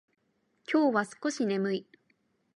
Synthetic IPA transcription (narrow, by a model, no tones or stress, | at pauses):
kʲo̞ːβasɨ̥ko̞ɕine̞mɯ̟i